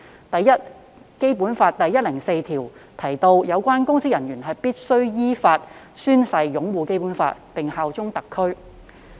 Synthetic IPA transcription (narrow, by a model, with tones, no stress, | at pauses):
t̪ɐ˨jːɐ˥t̚ | ke˥jpuː˨˥nfaː˧t̚t̪ɐ˨jːɐ˥t̚lɪ˨˩ŋse˧jt̪ʰiː˨˩wt̪ʰɐ˨˩jt̪o˧wjɐ˨˧wkʷaː˥nkʊ˥ŋsɪ˥k̚jɐ˨˩njyː˨˩nɦɐ˨jpiː˥t̚sɵ˥ɥjiː˥faː˧t̚syː˥nsɐ˨˧jjʊ˨˥ŋwuː˨˧ke˥jpuː˨˥nfa̰ː˧t̚pɪ˨ŋhaː˨wt͡sʊ˥ŋt̪ɐ˨kʰːɵ˥ɥ